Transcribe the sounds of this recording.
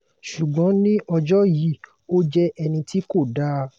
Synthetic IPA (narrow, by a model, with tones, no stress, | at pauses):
ʃu˨ɡ͡bɔ̃˨˦nĩ˦ʔɔ˧d͡ʒɔ˦ji˦˨ | o˦d͡ʒɛ˦ʔɛ˧nĩ˧tʰi˦ko˦˨da˦